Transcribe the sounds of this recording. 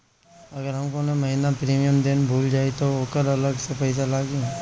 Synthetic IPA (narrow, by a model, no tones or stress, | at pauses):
ɐɡəɾɦɐmkonẽmɐɦinapɾiːmijəmd̪enbʱuːld͡ʒaːit̪ooːkəɾɐləɡsepɐɪs̬alaːɡĩ